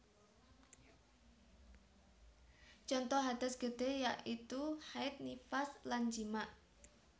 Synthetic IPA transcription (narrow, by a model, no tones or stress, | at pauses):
t͡ʃɔnt̪ɔɦad̪̥a̤sɡ̥əd̪̥e̤jaʔit̪uhaɪt̪̚nifasland͡ʒimaʔ